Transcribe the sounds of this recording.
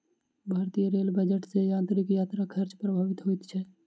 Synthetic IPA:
bʱaːɾt̪ijəɾeːlbəd͡ʒəʈsejãːnt̪ɾikjaːt̪ɾakʰəɾt͡ʃpɾəbʱaːʋɪt̪ɦot̪t͡ʃʰɛ

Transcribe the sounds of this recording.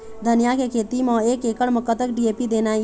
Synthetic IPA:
d̪ʱənɪjakekʰeːt̪imɔ̃ːeːkeːkəɽməkːət̪əkɖieːpid̪eːna

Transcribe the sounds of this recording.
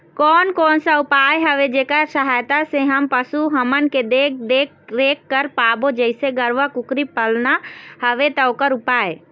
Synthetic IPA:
kɔːnkɔːnsaʊpaːjɦɐʋed͡ʒeːkəɾsəɦaːjt̪asẽɦəmpəsuɦəmənked̪eːkd̪eːkɾeːkːəɾpaːbod͡ʒəɪseɡəɾʋəkʊkɾipəlnahɐʋet̪ɐokəɾʊpaːe

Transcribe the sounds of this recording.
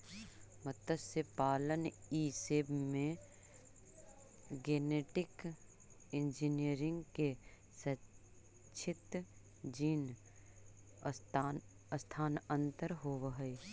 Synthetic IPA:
mət̪əsepaːləniːseːbmẽ | ɡeːneːʈɪk | ɪ̃nd͡ʒiniəɾɪ̃ŋɡke | sə | t͡ʃʰɪt̪ | d͡ʒiːn | əst̪ʰaːnə̃nt̪əɾɦoːwɦəe

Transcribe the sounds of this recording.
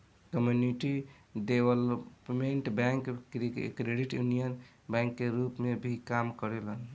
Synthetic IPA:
kəmjuniʈi | ɖebələpmeɳʈbɛ̃ŋkkɾeɖiʈjunijən | bɛ̃ŋkːeɾupmebʱikamkəɾelən

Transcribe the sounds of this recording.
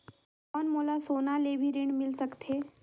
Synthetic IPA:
ɔːnmoːlasoːnalebʱiɾɪɳmɪlsəkt̪ʰeː

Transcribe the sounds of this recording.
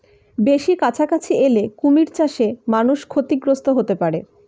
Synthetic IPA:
beʃikat͡ɕʰakat͡ɕʰielekumiɾt͡ɕaʃemanuʃkʰot̪iɡɾost̪oɦot̪epaɾe

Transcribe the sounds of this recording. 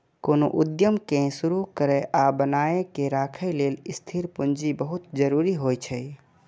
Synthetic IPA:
konoʔud̪jəmkẽsuɾukəɾɛʔabənaekeɾakʰəjlelist̪ʰiɾpund͡ʒibəɦut̪̚d͡ʒəɾuɾiɦojt͡ʃʰəj

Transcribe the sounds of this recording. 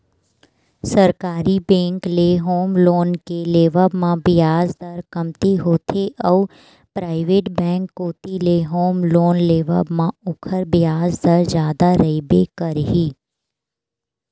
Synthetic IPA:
sɐɾkaːɾibɛ̃ːŋkleɦoːmloːnkeleːʋəbmãbɪjaːzd̪əɾkɐmt̪iɦoːt̪ʰeʔɔː | pɾaːɪʋeːʈbɛ̃ːŋkːoːt̪ileɦoːmloːnleːʋə̰bmãʊkʰəɾbɪjaːzd̪əɾzjaːd̪aɾɐibekɐɾɦiː

